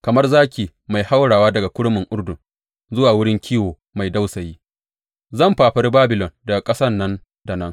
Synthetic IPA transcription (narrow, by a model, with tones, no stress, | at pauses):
kɐ˨mɐ˦rzaː˦kʲiː˨ | ma˨jha˦wɽaː˨waː˦dɐ˨ɡa˨kʷʊ˦ɽʊ˦mɪ˨ŋʔʊ˦ɽdʊ˨ŋ | zʊ˦waː˨wʊ˦ɽɪ˦ŋkʲʰiː˦woː˨ | ma˨jda˦wsɐ˨jiː˦ | zɐ˦˨mɸaː˨ɸɐ˦rbaː˦bɪ˨lɔ˨ndɐ˨ɡa˨kʼɐ˦sɐ˦nːɐ˦n | da˨nɐ˦ŋ